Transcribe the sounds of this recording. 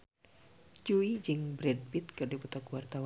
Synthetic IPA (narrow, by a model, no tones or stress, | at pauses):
d͡ʒuid͡ʒɨŋbɾɛd̚bit̪̚kɨrdiput̪ɔkwart̪aw